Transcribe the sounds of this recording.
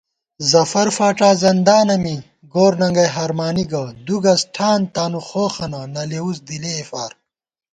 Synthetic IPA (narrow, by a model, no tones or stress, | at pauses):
zɐfɐɾfaːʈaːzɐnd̪aːnɐmi | ɡoːɾnɐŋɡɐjɦɐɾmaːniɡɐd̪uɡɐsʈʰaːnt̪aːnuxoːxɐnɐnɐleusd̪ileːfaːɾ